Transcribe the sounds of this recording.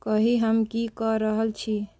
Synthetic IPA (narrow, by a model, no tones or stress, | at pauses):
kəɦiɦəmkikəɾəɦəlt͡ʃʰi